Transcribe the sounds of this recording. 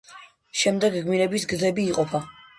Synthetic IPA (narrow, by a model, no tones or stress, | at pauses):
ʃɛmd̪ɛɡɡmiɾɛbisɡzɛbiːqʼɔpʰa